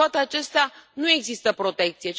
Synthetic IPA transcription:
at̪e̞at͡ʃe̞st̪eanue̞ɡzist̪əpɾo̞t̪e̞k̚t̪sijet͡ʃ

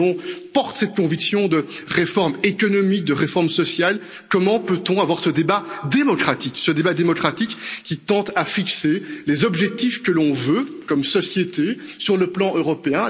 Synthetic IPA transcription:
ɔ̃pɔʁt̪sɛt̪̚kɔ̃viksjɔ̃d̪əʁefɔʁmekɔnɔmik̚d̪əʁefɔʁmsɔsjal | kɔmɑ̃pøt̪ɔ̃avwaʁsəd̪ebad̪emɔkχat̪iksəd̪ebad̪emɔkχat̪ikːʲit̪ɑ̃t̪afikselezɔbʒɛk̚t̪ifkəlɔ̃vøkɔmsɔsjet̪esyʁləplɑ̃ʔøʁɔpeɛ̃

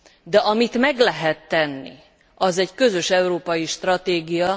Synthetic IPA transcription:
d̪ɛʔɒmit̪mɛɡlɛɦɛt̪ːɛnːḭ | ɒzɛɟkø̞zø̞ʃɛuɾoːpɒjiʃt̪rɒt̪eːɡijɒ

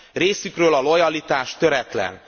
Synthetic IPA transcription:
reːsykrøːlɒlo̞jɒlit̪aːʃt̪ø̞ɾɛt̪lɛ̰n

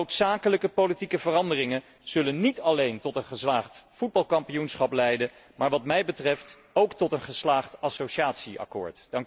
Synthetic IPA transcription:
owtsaːkələkəpolitikəvərɑndərɪŋən | z̥ɵlənːitɑlejntɔtənχəslaːχtfud̚bɑlˠkɑmpijunsχɑplɛjdə | maːɹʋɑtmɛjbətrɛft | owktɔtənχəslaːχtɑsowʃaːtsiʔɑ̰kʊ̰ːɹtd̥ɑŋk

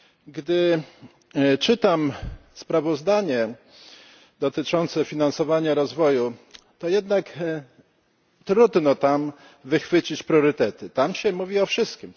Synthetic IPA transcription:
ɡd̪ɘ | t͡ʂɘt̪amspɾavɔzd̪aɲɛ | d̪ɔt̪ɘt͡ʂɔnt̪sɛfʲinansɔvaɲaɾɔzvɔju | t̪ɔjɛd̪nak | t̪ɾud̪nɔt̪am | vɘxfɘt͡ɕit͡ɕpɾʲjɔɾɘt̪ɛt̪ɘt̪amɕɛmuvʲiɔfʂɘst̪kʲim

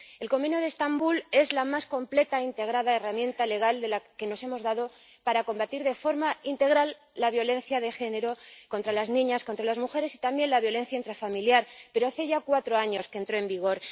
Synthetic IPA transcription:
e̞lko̞menoð̞est̪ambule̞zlamasko̞mple̞t̪aint̪e̞ɣ̞ɾaðae̞ramjẽ̞nt̪ale̞ɣ̞ald̪e̞lake̞no̞se̞mo̞zðaðo | paɾako̞mbat̪iɾðe̞fo̞ɾmaint̪e̞ɣ̞ɾalː | aβ̞jo̞le̞n̟θjaðe̞xe̞ne̞ɾokont̪ɾalaznĩɲasko̞nt̪ɾalazmuxe̞ɾe̞sit̪ambje̞nlaβjole̞n̟θjaint̪ɾafamiljaɾpe̞ɾo̞aθe̞ʝakwat̪ɾo̞aɲo̞skent̪ɾo̞e̞mbiɣ̞o̞ɾ

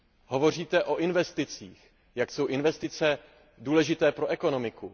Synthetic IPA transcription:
ɦo̞vo̞r̝iːt̪ɛʔo̞ʔɪnvɛst̪ɪt͡siːx | jakso̞wʔɪnvɛst̪ɪt͡sɛ | duːlɛʒɪt̪ɛːpɾo̞ʔɛko̞nomɪku

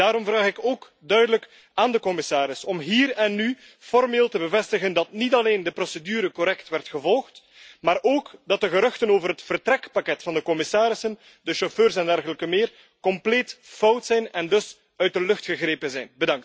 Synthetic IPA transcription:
daːɾɔmvraːxɪkoːk | dœɥdələk | aːndəkɔmɪsaːɾɪsɔmɦiːrɛnːy | fɔrmeːlˠtəbəvɛstəɣəndɑtnitɑleːndəprosedyːɾəkɔɾɛktʋɛrtxəvɔlˠxt | maːɾoːkdɑt̚dəɣəɾɵxtənoːvərɦətfərtrɛkpakɛtfɑndəkɔmɪsaːɾɪsən | dəʃoføːrsɛndɛrɣələkəmɪːr | kɔmpleːtfɔwtsɛjnɛndɵs | œɥt̚dəlɵxtxəɣreːpənzɛjnbədɑŋkt

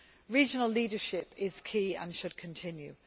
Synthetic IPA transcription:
ɹiːd͡ʒənəliːdəʃɪpɪz̥kʰiːə̰̃nʃəd̥̚kʰə̃ntʰɪ̃njʉ̰

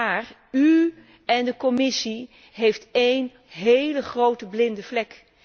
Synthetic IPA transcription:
aːr | y | ɛndəkɔmɪsi | ɦejftejn | ɦejləχrowtəblɪndəvlɛk

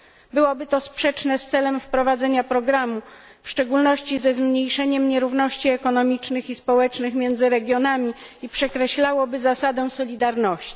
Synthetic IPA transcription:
bɘwɔbɘt̪ɔspʂɛt͡ʂnɛst̪sɛlɛmfpɾɔvad̪zɛɲapɾɔɡɾamu | fʂt͡ʂɛɡulnɔɕt͡ɕizɛzmɲejʂɛɲɛmɲɛɾuvnɔɕt͡ɕiɛkɔnɔmʲit͡ʂnɘxispɔwɛt͡ʂnɘxmʲjɛnd̪zɘɾɛɡʲjɔnamʲiipʂɛkɾɛɕlawɔbɘzasad̪ɛw̃sɔlʲid̪aɾnɔɕt͡ɕi̥

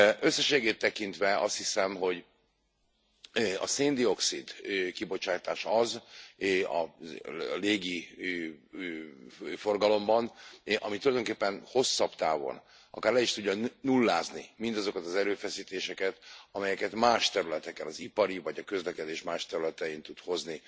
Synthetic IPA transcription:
øsːɛʃeːɡeːt̪ːɛkint̪ʋɛɒst̪hisɛmɦo̞ɟ | ɒ̰seːnd̪io̞ksid̪kibo̞t͡ʃaːt̪aːʃɒz | ɒ̰ | leːɡi | fo̞rɡɒlo̞mbɒnʔɒmit̪ulɒjd̪oŋkeːpːɛnho̞sːɒbt̪aːvo̞̰n | ɒ̰kaːrlɛiʃt̪uɟːɒnulːaːznimind̪ɒzo̞kɒt̪ɒzɛɾøːfɛsiːt̪eːʃɛkɛt̪ɒmɛjɛkɛt̪maːʃt̪ɛɾylɛt̪ɛkɛnɒzipɒɾivɒɟɒkø̞zlɛkɛd̪eːʃmaːʃt̪ɛɾylɛt̪ɛint̪ut̪ho̞zni

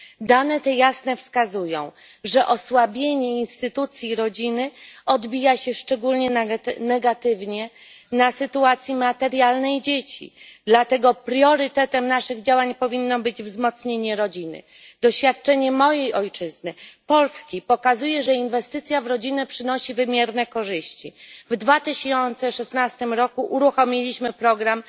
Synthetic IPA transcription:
d̪anɛt̪ɛjasnɛfskazujɔ̰̃w̃ | ʐɛʔɔswabʲjeɲɛinst̪ɘt̪ut̪sʲjiɾɔd͡ʑinɘɔd̪bʲijaɕɛʂt͡ʂɛɡulɲɛnɛɡat̪ɘvɲɛ | nasɘt̪uat̪sʲjimat̪ɛɾjalnɛjd͡ʑet͡ɕḭd̪lat̪ɛɡɔpɾjɔɾɘt̪ɛt̪ɛmnaʂɘɣd͡ʑawaɲpɔvʲinːɔbɘd͡ʑvzmɔt̪sɲeɲɛɾɔd͡ʑinɘ̰ | d̪ɔɕfʲjat̪̚t͡ʂɛɲɛmɔjejɔjt͡ʂɘznɘpɔlskʲipɔkazujɛʐɛinvɛst̪ɘt̪sʲjavɾɔd͡ʑinɛpʂɘnɔɕivɘmʲjɛɾnɛkɔʐɘɕt͡ɕivd̪vat̪ɘɕɔnt̪sɛʂɛsnast̪ɘmɾɔkuʔuɾuxɔmʲilʲiɕmɘpɾɔɡɾam

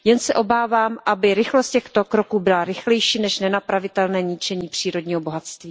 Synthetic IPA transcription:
jɛnsɛʔo̞baːvaːmʔabɪɾɪxlost̪̚cɛxt̪o̞kɾo̞kuːbɪlaɾɪxlɛjʃiːnɛʃnɛnapɾavɪt̪ɛlnɛːɲɪt͡ʃɛɲiːpr̝̥iːɾo̞dɲiːɦobo̞ɦat̪st̪viː

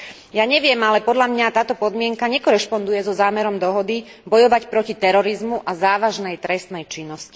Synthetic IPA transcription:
jaɲɛʋɪɛmalɛpɔd̪ʎamɲat̪aːt̪ɔpɔd̪mɪɛŋkaɲɛkɔɾɛʃpɔnd̪ujɛzɔzaːmɛɾɔmd̪ɔɦɔd̪i | bɔjɔʋacpɾɔcit̪ɛɾɔɾizmuʔazaːʋaʒnɛjt̪ɾɛst̪nɛjt͡ʃinːɔsci̥

